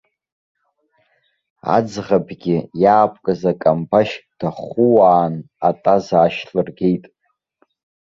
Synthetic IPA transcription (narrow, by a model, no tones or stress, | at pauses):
a̰d͡zʁabɡʲɪjaːpʰʼkʼɨzakʼambaʃd̥aχʊwaːn | atʼazaːʃɬlɨrɡejtʼ